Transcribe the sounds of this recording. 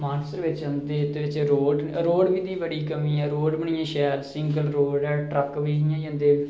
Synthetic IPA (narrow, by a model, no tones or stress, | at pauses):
maːɾsɾʋɪt͡ʃə̃nd̪eːt̪ːeːʋɪt͡ʃɾoːɖɾoːɖʋiːd̪iːbəɽiːkəmĩːɛːɾoːɖbəɳ̃ɪjãːʃɛːɾsɪ̃ŋɡəlɾoːɖɛːʈɾəkʋiːɦɪjãːd͡ʒə̃nd̪eː